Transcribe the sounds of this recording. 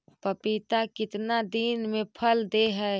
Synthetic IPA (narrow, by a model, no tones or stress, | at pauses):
pəpit̪akɪt̪nad̪iːnmẽpʰəld̪eɦɛː